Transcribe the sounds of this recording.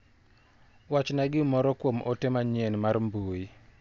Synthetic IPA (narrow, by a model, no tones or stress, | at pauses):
wat͡ʃnaɡɪmɔɾɔkwomɔtɛmaɲɛnmarmbui